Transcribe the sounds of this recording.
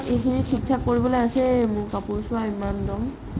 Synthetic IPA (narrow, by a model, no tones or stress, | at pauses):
ekʰinixʰikʰːakoɹibɔlojasɛmʊɹkapuɹsʊwaimandɔm